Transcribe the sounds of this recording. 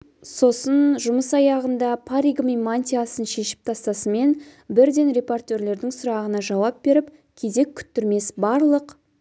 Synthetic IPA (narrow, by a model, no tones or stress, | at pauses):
so̞sənʒʊməsɑjɑʁənd̪ɑpʰaɾiɡmimanʲt̪iasənʃe̞ʃɪ̥p̚t̪ʰɑst̪ɑsəme̞nbɪɾd̪e̞nɾe̞po̞rt̪ʲe̞ɾle̞ɾd̪ɪŋsʊɾɑʁənɑʒɑwɑp̚be̞ɾɪp | kʲʰe̞ze̞kʲʰʏ̥t̪ːʏɾme̞sbɑɾlˠəq